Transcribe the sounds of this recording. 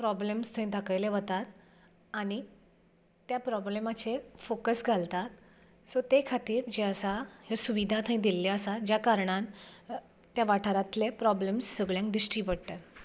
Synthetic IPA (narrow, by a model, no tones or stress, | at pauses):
pɾɔblemst̪ʰə̃ĩd̪ʱakajleʋət̪at̪ | añi | t̪japɾɔblemat͡sefokəsɡʱalt̪at̪̚ | sot̪ekʰat̪iːɾd͡ʑeəsajasuʋid̪ʱat̪ʰãĩd̪ilːjaəsad͡ʑjakaɾɳãn | t̪jaʋaʈʰaɾat̪lepɾɔblemsːəɡɭjãŋk̚d̪ɾiʂʈiːpəɽt̪at̪